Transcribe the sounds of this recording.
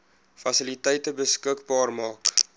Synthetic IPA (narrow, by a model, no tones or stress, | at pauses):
fɐsəlitəjtəbəskəkbɑːrmɑːk